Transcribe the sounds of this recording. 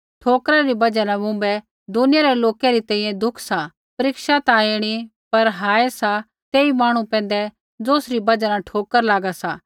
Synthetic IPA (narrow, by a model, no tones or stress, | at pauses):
ʈʰoːkɾaɾibɐd͡ʒanãbũːmbɛ | d̪ʊnɪjaɾɛloːkɛɾit̪ɛ̃ːĩːjɛ̃d̪ʊkʰsa | pɐɾɪkʃat̪aːeɽ̃ipɐɾɦaːɛsa | t̪eːimaːɽ̃ũpɛ̃ːn̆d̪ɛ | d͡zoːsɾibɐd͡ʒanaʈʰoːkəɾlaːɡasaː